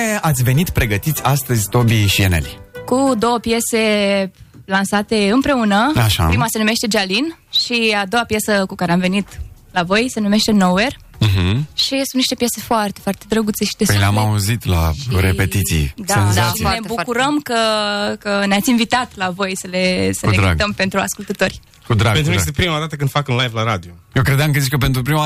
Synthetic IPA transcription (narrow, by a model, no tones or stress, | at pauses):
eat̪sʲve̞nit̪pɾe̞ɡət̪it̪sʲast̪əzʲt̪o̞biʃienḛlikud̪o̞wəpje̞se̞ | lansat̪e̞ɨmpɾe̞unəaʃa̰ɾimase̞nume̞ʃt̪e̞d͡ʒalin | ʃiad̪o̞wapjesəkukaɾeamve̞nit̪ | lavo̞jse̞nume̞ʃt̪e̞nower̩ | ɦ̩ʃisũnniʃt̪e̞pjese̞foart̪e̞foart̪e̞d̪ɾəɡut̪seʃid̪epjleamauzit̪la̰ɾepet̪it̪sḭjd̪aazinebukuɾəmkəkəneat̪sʲinvit̪at̪lavo̞jsəlesəled̪ɾa̰ɡd̪əmpe̞nt̪ɾua̰skult̪ət̪o̞rʲ | kud̪ɾaɡent̪ɾuespɾimad̪at̪əkɨnd̪fakunlajvlaɾad̪iojewkɾed̪aŋkəzit͡ʃkəpent̪ɾupɾima